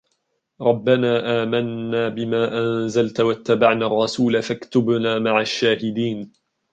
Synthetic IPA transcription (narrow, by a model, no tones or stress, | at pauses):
ɾˤɑbːanaːʔaːmanːaːbɪmaːʔanzalt̪wat̪ːabaʕnaːrˤːɑsuːlafakt̪ʊbnaːmaʕaʃːaːhɪd̪iːn